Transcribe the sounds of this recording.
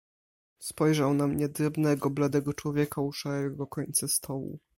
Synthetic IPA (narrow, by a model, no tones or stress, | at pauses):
spɔjʐawnamɲɛd̪ɾɛbnɛɡɔblad̪ɛɡɔt͡ʂwɔvʲjɛkauʂaɾɛɡɡɔkɔɲt̪sast̪ʰɔwṵ